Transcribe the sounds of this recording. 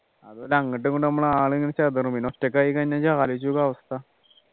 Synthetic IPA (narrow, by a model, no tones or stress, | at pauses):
ɐðolɐŋːiʈ̬ːɨkoɳɖɨnɐmːuɭaːɭeŋːɐnit͡ɕɐd̪ɐruminotːekːaːjikɐnːat͡ɕaːlit͡ɕːuɣɐɐʋɐst̪ʰɐ